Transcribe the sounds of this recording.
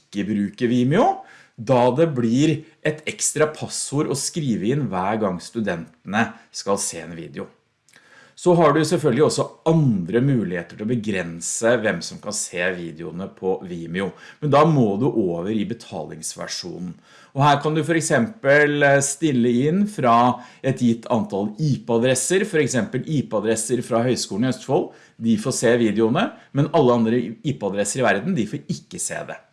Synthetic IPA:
ɪkːəbɾʉːkəɾʋiːmɪʊ | d̪ɑd̪ɛblɪɾʔɛt̪ʰɛkst̪ɾɑpʰɑsʊɾɔskɾiːʋəɪnːʋæːɾɡɑŋːst̪ʉd̪ɛnt̪ənəskɑlseːɛnʋḭːd̪ɛʊ | sɔɦɑɖʉsɛlfœlɡəlɪɔsːɔɑnd̪ɾəmʉːlɪheːt̪əʈʰɪlɔbəɡɾɛnsəʋɛmsɔmkɑnseːʋiːd̪ɪʊ̰nəpʰɔʋiːmɪʊmɛnd̪ɑmoːd̪ʉʔoːʋəɾɪbət̪ʰɑ̰ːlɪŋsʋæ̰ʂṵːnn̩ | ɔhæːɾkʰɑnd̪ʉfɔɾɛksɛmpəlst̪ɪlːəɪnfɾɑɛt̪jɪt̪ʰːɑnt̪ʰɑliːpəɑd̪ɾɛsəɾfɔɾɛksɛmpəliːpəɑd̪ɾɛsəɾfɾɑɦœʏskuːlnɪœst̪fɔl | d̪ɪfoseːʋiːd̪əʊnəmɛnɑlːəɑnd̪ɾəiːpəɑd̪ɾɛsːəɾɪʋæɾd̪n̩d̪ɪfoɾɪkːəsḛːd̪ɛ̰

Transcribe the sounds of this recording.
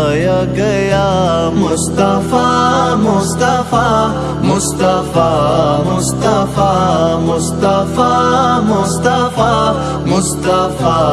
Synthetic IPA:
jaɡəjamʊst̪afamʊst̪afa | mʊst̪afamʊst̪afamʊst̪afamʊst̪afa | mʊst̪afa

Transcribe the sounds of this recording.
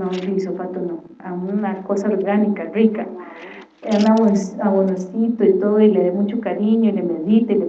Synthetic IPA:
orisopat̪ono | amunakosaoɾɡanikarika̰ | anawesawonosit̪oit̪oðoileðemut͡ʃokaɾiɲoilemeðit̪eile

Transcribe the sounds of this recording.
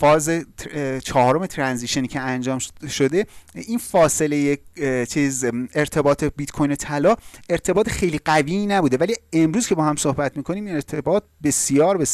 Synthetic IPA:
fɒːzet͡ʃʰɒːhːɾo̞me̞t̪ʰɾænziʃoniːcʰeænd͡ʒɒːmʃo̞d̪einfɒːse̞lejet͡ʃʰiːze̞ɾt̪ʰe̞bɒːt̪ʰebit̪kʰojno̞t̪ʰælɒːe̞ɾt̪ʰe̞bɒːt̪exe̞jliɢæviːnæbuːd̪e̞vælie̞mɾuz̥kʰe̞bɒːhæmso̞hbæt̪miːkʰoniːmeɾt̪ʰebɒːt̪̚be̞sijɒːɾbes

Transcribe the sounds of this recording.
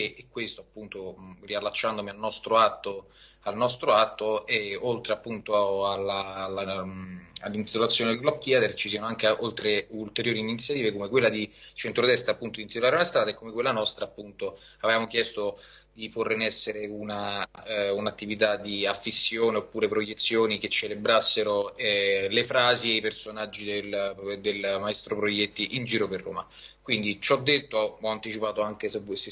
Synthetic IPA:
ekːwest̪oapːunt̪orialːat͡ʃːand̪omialnɔst̪ɾoat̪ːo | alnɔst̪ɾoat̪ːoeolt̪ɾeapːunt̪oalːaa | alːint̪it̪olat̪sjoːnevlɔp̚t̪iad̪eɾt͡ʃisiːanoaŋk̟eʔolt̪ɾeult̪eɾjoːɾiːnit̪sjat̪iːvekomekwelːad̪it͡ʃent̪ɾod̪ɛst̪ɾaːpːunt̪od̪int̪it̪olaːɾeunast̪ɾaːd̪aekːomekwelːanɔst̪ɾaːpːunt̪o | avvaːmok̟jɛst̪od̪̥iporenɛsːeɾeuna | unat̪ːivit̪ad̪iafːisːjoːneopːuːɾepɾojet̪sːjoːniket͡ʃːelebɾasːeɾoɛlefɾaːzieipersonad͡ʒːid̪eld̪elmaest̪ɾopɾojɛt̪ːiʔind͡ʒiːɾoperːo̰ːmakwind̪it͡ʃɔd̪ːet̪ːoɔant̪it͡ʃipaːt̪oaŋk̟esese

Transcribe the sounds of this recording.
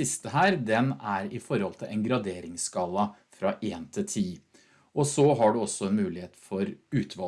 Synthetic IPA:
ɪst̪əɦæːɾd̪ɛnæɾɪfɔɾhɔlt̪ʰɪlʔɛŋɡɾɑd̪eːɾɪŋskɑːlɑfɾɑʔeːnt̪ʰɪt̪ʰiː | ɔsɔɦɑɖʉɔsːɔɛnmʉːlɪheːt̪fɔɾʉːt̪ʰʋɑ

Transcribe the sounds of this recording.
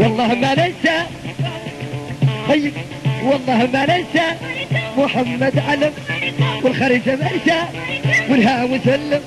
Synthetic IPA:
wɑlˤːɑːhmanansa | t̪ˤɑjːɪb̚ | wɑlˤːɑːhmalansamʊħamːad̪ʕalamwɪlxɑɾiːd͡ʒamanʃawɪlɦaʔmɪsalːɪm

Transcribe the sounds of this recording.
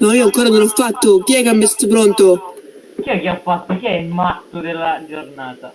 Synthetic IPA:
nɔiːoaŋkoːɾanonɔfːat̪ːʊk̟iɛkːamːɪst̪at̪ʊpɾɔnt̪o | kiɛkːiafːat̪ːʊk̟iɛmat̪ːʊd̪elːad͡ʒornaːt̪a

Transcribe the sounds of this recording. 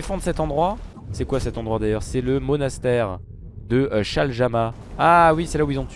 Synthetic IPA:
efɑ̃d̪ʁəsɛt̪ɑ̃d̪ʁwa | sɛkwasɛt̪ɑ̃d̪ʁwad̪ajœʁsɛləmɔnast̪ɛːʁ | d̪əʃalʒama | awisɛlauilzɔ̃

